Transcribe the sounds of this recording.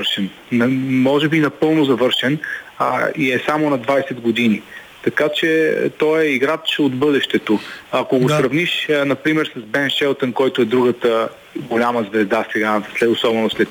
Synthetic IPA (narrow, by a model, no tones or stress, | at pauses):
ɾʃɛn | mɔʒɛbinɐpɤlˠnozɐvɤɾʃɛn | iɛsamonɐd̪vaɛsɛd̪ɡod̪ini | t̪ɐkat͡ʃɛt̪ɔɛiɡɾat͡ʃod̪bɤd̪ɛʃt̪ɛt̪oɐkoɡosɾɐvniʃnɐpɾimɛɾsɐzbɛnʃɛlˠt̪ɛnkɔjt̪ʊɛd̪ɾuɡət̪ə | ɡolʲaməzvɛzd̪asɛɡaslɛosɔbɛnoslɛt̪